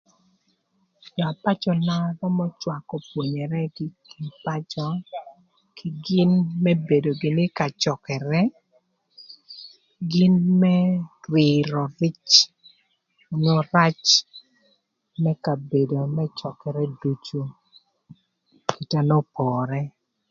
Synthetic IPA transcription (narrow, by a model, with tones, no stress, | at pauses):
d͡ʒɔ˨a˨pa˦t͡ʃɔ˨na˦ɾɔ˦mɔ˦t͡ʃwa˨kɔ˨pwo˨ɲɛ˨ɾɛ˦kɪ˦ki˨pa˦t͡ʃɔ˦ | kʰi˨ɡɪ˦nmɛ˦be˨do˨ɡɪ˨nɪ˦ka˨t͡ʃɔ˨kɛ˨ɾɛ˦ | ɡɪ˦nmɛ˦twɪ˨ɾɔ˨rɪ˦t͡ʃ | o˨ɲo˦ɾa˦t͡ʃ | mɛ˦ka˨be˨do˨mɛ˦t͡ʃɔ˨kɛ˨ɾɛ˦du˦t͡ʃo˦ | ki˨ta˦no˦pɔː˨ɾɛ˦